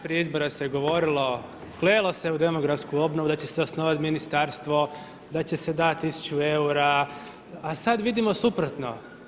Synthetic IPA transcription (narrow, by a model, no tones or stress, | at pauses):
pɾieizbo̞ɾaseɡo̞ʋo̞ɾilo̞ | kleːlˠo̞se̞ud̪e̞mo̞ɡɾafskuo̞bnoʋud̪at͡ɕe̞seosnoʋat̪minist̪aɾst̪ʋo̞ | d̪at͡ɕe̞se̞d̪at̪ːisu̥t͡ɕue̞uɾa | asad̪ʋid̪imo̞supɾot̪no̞̰